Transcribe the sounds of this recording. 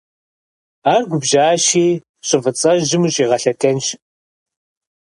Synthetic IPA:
aːrɡʷʊbʒaːʃiː | ɕʼɪvɨt͡sʼɐʒɪmuɕʼiːʁɐɬɐkʰɐnʃ

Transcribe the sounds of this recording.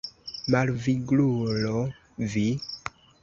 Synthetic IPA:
malviɡlulɔ | vi

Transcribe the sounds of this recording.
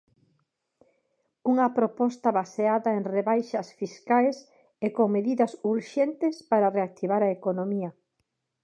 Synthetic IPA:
uŋɐpɾopɔst̪ɐβaseaðɐeŋreβajʃɐsfiskajs | ekoŋmeðiðɐsuɾʃent̪ɪspaɾareak̚t̪iβaɾaekonomiɐ

